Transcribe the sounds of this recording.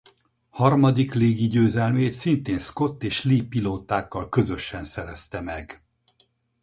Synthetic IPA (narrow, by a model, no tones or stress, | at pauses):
hɒrmɒd̪ikleːɡiɟøːzɛlmeːt̪sint̪eːnsko̞t̪ːeːʃliːpiloːt̪aːkːɒlkø̞zø̞ʃɛnsɛɾɛst̪ɛmɛɡ